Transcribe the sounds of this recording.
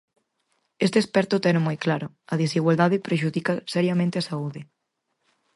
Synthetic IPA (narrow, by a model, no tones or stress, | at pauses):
est̪eːspɛɾt̪ʊt̪ɛnmojklaɾʊ | ɐðisiɣwald̪aðepɾeʃ̬uðikasɛɾjamẽnt̪easauðɪ